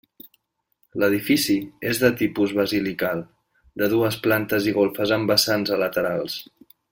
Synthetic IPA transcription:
ləð̞ifisiezðət̪ipuzβəzilikalˠ | d̪əðuəsplant̪əziɣ̞olˠfəzəmbəsanzələt̪əɾalˠs

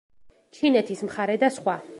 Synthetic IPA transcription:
t͡ʃʰinɛt̪ʰismχaɾɛd̪asχwa

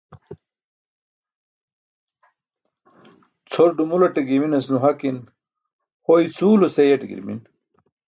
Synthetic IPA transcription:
t͡sʰoɾɖumulɐʈeɡiminɐsnuɦɐkin | hoit͡sʰuːlosejeʈeɡḭɾmḭn

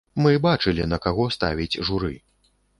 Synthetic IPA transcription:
mɨbat͡ʂɨlʲḭnɐkaɣɔst̪a̰vʲid͡zʲʐuɾɨ̰

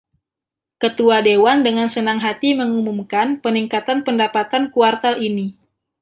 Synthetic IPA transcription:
kət̪uadewandəŋansənaŋɦat̪iməŋumumkanpəniŋkat̪anpəndapat̪ankuart̪alini

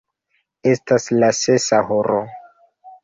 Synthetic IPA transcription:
e̞staslase̞saɦoɾo

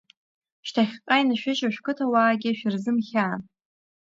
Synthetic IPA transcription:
ʃtʰaχʲqʼajnaʃᶣɪʒaʃᶣkɨtʰawaːɡʲɪʃᶣɪrzɨmχʲaː

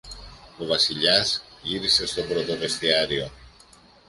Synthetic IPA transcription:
oβasiʎasiɾsezðopɾoðoβest̪eaɾio

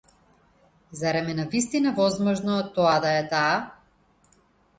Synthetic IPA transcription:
zaɾɛmɛnavist̪inavɔzmɔʒnɔt̪ɔad̪aɛt̪aː

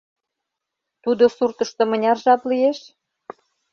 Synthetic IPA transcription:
t̪ud̪osurt̪ə̆ʃt̪ɤ̆mə̆nʲɑrʒɑplijeʃ

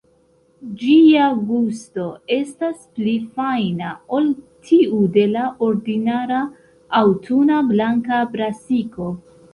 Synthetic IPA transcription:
d͡ʒiaɡusto̞e̞stasplifajnao̞l | tʰiude̞laʔo̞ɾdinaɾaː | wtʰunablaŋkabɾasiko̞

